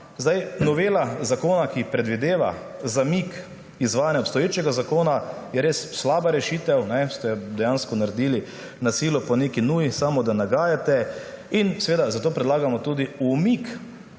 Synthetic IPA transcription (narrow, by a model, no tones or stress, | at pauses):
zd̪ajnɔʋeːlazakoːnakipɾɛd̪ʋid̪eːʋa̰zamik | izʋaːjanjaɔpst̪ɔjeːt͡ʃɛɡazakoːnajɛɾeːsːlaːbaɾɛʃiːt̪ɛwnɛst̪ɛd̪ɛjaːnskɔnaɾɛd̪iːli | nasilɔpɔneːkinuːjisamɔd̪anaɡaːjat̪ɛinsɛʋeːd̪azat̪oːpɾɛd̪laːɡamɔt̪uːd̪iumik